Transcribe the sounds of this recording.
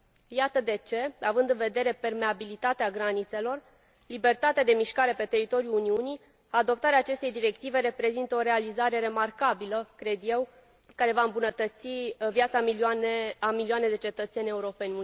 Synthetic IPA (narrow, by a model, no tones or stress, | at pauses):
jat̪əd̪e̞t͡ʃe̞avɨnd̪ɨnve̞d̪e̞ɾe̞pe̞rme̞abilit̪at̪eaɡɾanit̪se̞lo̞r | libe̞rt̪at̪ead̪e̞miʃkaɾe̞pe̞t̪e̞ɾit̪o̞ɾjuuniuni | ad̪o̞pt̪aɾeaːt͡ʃe̞st̪ejd̪iɾe̞kt̪ive̞ɾe̞pɾe̞zint̪əo̞ɾe̞alizaɾe̞ɾe̞markabiləkɾe̞d̪je̞w | kaɾe̞vaɨmbunət̪ət̪sivjat̪sa | amiliane̞d̪e̞t͡ʃe̞t̪ət̪se̞nʲe̞uɾo̞pe̞nʲ